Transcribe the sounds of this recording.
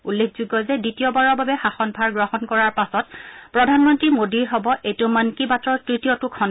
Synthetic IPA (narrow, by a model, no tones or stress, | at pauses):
ulːek̚ʰzuɡɔzɛditijɔbaɹɔɹbabɛxaxɔnbʱaɹɡɹɔhɔnkɔɹaɹpasɔt̚pɹɔdʱanmɔntɹimodiɹɦɔbɔʔetʊmankibatɹɔɹtɹitiɔtʊkʰɔn